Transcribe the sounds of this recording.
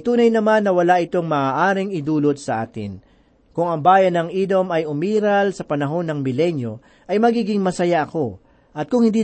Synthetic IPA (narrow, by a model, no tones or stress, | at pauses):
t̪uːnɐjnɐmanːɐwɐlaʔɪt̪o̞ŋmɐaːʔaːɾɪŋɪd̪uːlot̪̚sɐʔa̰ːt̪ɪ̰n | kʊŋɐŋbaːjɐnːɐŋʔid̪o̞mɐjʊmiːɾɐlsɐpɐnɐɦo̞nːɐŋmɪlɛnjo̞ | ʔɐjmɐɡiːɡɪŋmɐsɐjaʔɐko̞ | ʔɐt̪̚kʊŋhɪnd̪iː